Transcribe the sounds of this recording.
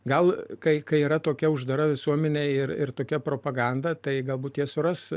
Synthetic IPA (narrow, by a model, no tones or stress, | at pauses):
ɡɐlˠkɐɪkɐɪiːɾɐt̪oːkʲɛʊʒd̪ɐɾɐʋʲɪsuɔmʲɛnʲeɪrɪrt̪oːkʲɛpɾoːpɐɡɐˑnd̪ɐt̪ɐɪɡɐlˠbuːt̪jiɛsʊrɐs